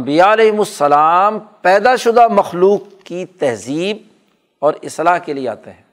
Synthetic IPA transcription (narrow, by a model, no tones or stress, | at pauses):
mbijaɐlɛːɦɪmʊsːɐlaːmpɛːd̪aʃʊd̪amɐxluːkːit̪ɛɦziːb̚ | ɔːɾɪslaːɦkeliea̰ːt̪eɦɛ̃ː